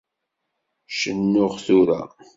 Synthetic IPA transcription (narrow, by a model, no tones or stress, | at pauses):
ʃənːʊʁθuɾæ̰